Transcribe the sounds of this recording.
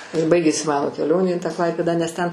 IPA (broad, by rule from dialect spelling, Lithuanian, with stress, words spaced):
ɪr ˈbɐɪɡʲeːsʲɪ ˈmɑːnoː kʲɛˈlʲoːnʲeː iː tɑː ˈklˠɐɪpʲeːdɑː nʲɛs tʲɛn